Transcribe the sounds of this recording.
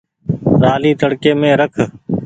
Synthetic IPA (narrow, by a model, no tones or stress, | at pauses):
ɾaːliːt̪əɽkeːmẽːɾəkʰ